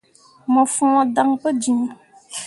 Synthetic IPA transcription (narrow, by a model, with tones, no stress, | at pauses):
mɔ˨fũ˦ɔ˨da˨ŋpə˦d͡ʒi˨ŋ˨